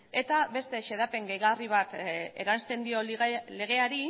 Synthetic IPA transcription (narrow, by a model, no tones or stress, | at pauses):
e̞t̪aβe̞st̪eʃe̞ðape̞ŋɡejɣariβat̪e̞̰ɾanst̪e̞nd̪io̞le̞ɣ̞e̞aɾi